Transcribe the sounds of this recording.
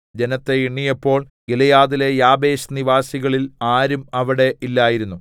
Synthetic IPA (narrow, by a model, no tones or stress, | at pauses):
d͡ʑe̞nɐt̪ːe̞iɳːijɐpːo̞ːɭ | ɡilɐjaːðile̞jaːbe̞ːɕniʋaːsiɣɐɭilaːɾumɐʋiɽe̞ʔilːaːjiɾunːu